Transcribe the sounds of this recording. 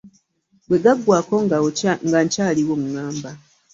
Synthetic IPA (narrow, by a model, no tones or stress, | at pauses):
bwe̞ɡaɡwaːko̞ŋɡaŋɡaɲcaːliwomuŋaːmba